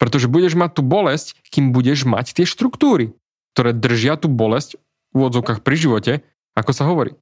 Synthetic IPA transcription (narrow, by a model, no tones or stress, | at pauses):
pɾɛt̪ɔʒɛbuɟɛʒmac̚t̪ːuːbɔlɛsckiːmbuɟɛʒma̰ct̪ɪɛʃt̪ɾukt̪uːɾi | k̚t̪ɔɾɛːd̪r̩ʒɪat̪uːbɔlɛsc | uʋɔd͡zɔʊkaːxpɾiʒiʋɔcɛ | akɔsaɦɔʋɔɾḭː